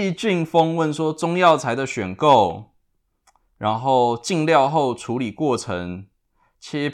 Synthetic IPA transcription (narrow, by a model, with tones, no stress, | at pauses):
t͡ɕi˥˨ŋfɤ˥ŋwə˥˨nswɔ˥t͡sʊ˥ŋjɑ˥˨ʊt͡sʰa˧˥ɪd̪ə˨ɕɥɛ˨˩nko˥˨ʊ | ɻa˧˦nxo˥˨ʊt͡ɕi˥˨˧ŋljɑ˥˧ʊxo˥˨˩ʊʈ͡ʂʰu˨˥li˨˩kwɔ˥˩ʈ͡ʂʰə˧˦ŋ | t͡ɕʰjɛ˦˥